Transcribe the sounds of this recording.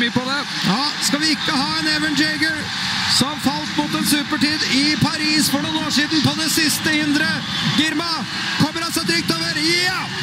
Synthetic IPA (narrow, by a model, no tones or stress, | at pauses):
pɔd̪ɛ | jɑːskɑʋɪɪkːəɦɑːɛnɛʋənd͡ʒɛɡəl | sɔmfɑlt̪mʊt̪ɛnsʉːpəʈiːd̪ɪpʰɑɾiːsfɔɳuːnoːʂiːd̪n̩pɔd̪ɛsɪst̪əɪnd̪ɾə | ɡɪɾmɑ | kʰɔmːəɾɑlsɔd̪ɾɪk̚t̪oːʋəɾj